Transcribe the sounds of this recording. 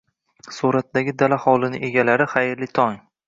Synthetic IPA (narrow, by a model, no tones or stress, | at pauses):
suɾat̪̚d̪aɡʲɪd̪alaχɒlˠɪnɪʔe̞ɡʲalaɾɪχajɾlɪt̪ʰɒŋ